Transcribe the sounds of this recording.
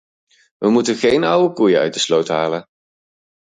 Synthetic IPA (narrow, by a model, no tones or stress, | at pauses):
ʋəmutəχejnʌwəkujəœ̰ɥt̚dəslowtɦa̰ːlən